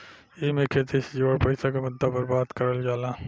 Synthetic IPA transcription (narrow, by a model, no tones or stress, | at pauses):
emekʰet̪ʰisd͡ʒoːɽpəɪsakemʊd̪ʱːapəɾbaːt̪kəɾəld͡ʒaːla